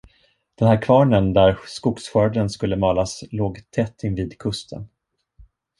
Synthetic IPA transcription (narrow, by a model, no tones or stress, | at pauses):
d̪̥ɛnhæːɾkʰvɑːɳənd̪æɾskʊksɧœːɖənskɵlːəmɑːlasloːɡt̪ʰɛt̪ʰːɪnviːd̪kʰɵst̪ʰə̰n